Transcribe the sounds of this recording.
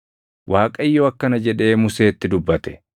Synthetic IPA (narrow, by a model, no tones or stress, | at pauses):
wʔaːkʼɐɪjːoːɐkːɐnɐd͡ʒɛᶑe̞ːmʊse̞ːt̪ːɪd̪ʊbːɐt̪ɛ̥